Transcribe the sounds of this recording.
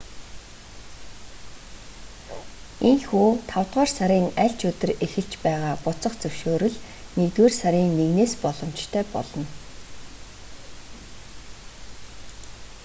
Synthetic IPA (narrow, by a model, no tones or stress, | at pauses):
enxuːt̪ʰawt̪ʁaːrsaɾʲiːŋæɮʲt͡ɕɵt̪ɵ̆rexɘ̆ɬt͡ɕpæːʁaːpʊt͡sɞ̆χt͡sɵw̥ʃoːɾɵ̆ɮ | nekt̪weːrsaɾʲiːŋːeɣneːspɔɮɞ̆mt͡ɕt̪ʰœːpɔ̰ɮɞ̆n